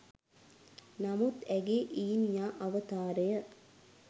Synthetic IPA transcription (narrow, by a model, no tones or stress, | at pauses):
namut̪æɡeːʔiːnijaːʔɐʋət̪aːɾejə